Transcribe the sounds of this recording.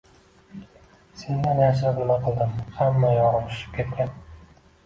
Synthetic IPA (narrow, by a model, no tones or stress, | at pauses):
se̞nd̪anjaʃɾqɨlˠmaqʰɨlˠd̪ɪmhamːajɒɾɒmʃɪ̥p̚kʲʰe̞t̪kʲan